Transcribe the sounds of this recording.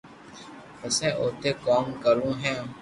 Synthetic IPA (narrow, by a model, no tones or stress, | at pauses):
əsɛ̃ʔot̪ekɔŋkəlũɦɛ̃